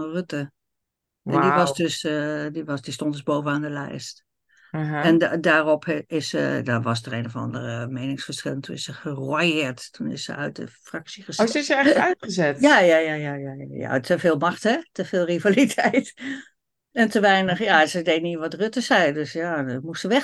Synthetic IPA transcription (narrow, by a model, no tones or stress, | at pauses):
røtə | ɛndiʋɔsdøsdiʋɔsd̥istɔ̃ntdəzboːvənaːndəlɛ̰jst | ɛndaːrɔpʰɪsə̰dɔʋɔsdəreːnovɑ̰ndə̰rəmeːnɪŋsfəɹsχɪlˠəntʰunɪsəχərwajɪəɹttʰunɪ̰sə̰œ̰ɥt̚də̰fraksiəsɪsəɛœtəzɛtjajaːjajajaja̰ja̰tʰəfɪːlˠmaxthɛtəfɪːlˠrivalitʰɛjt | ɛntʰəʋɛjnəxjasədeːniəʋɔtrøtəsɛjdøsjaːmustsəʋɛ